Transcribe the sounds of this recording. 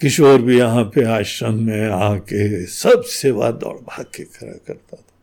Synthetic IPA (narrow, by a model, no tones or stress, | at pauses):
kɪt͡ʃʰoːɾbʱijɐɦãpeaːʃɾənmẽaãkesɐbseːʋa̰d̪ɔ̰ːɽbʱaːkekʰɐɾa̰kɐɾt̪at̪ʰḁ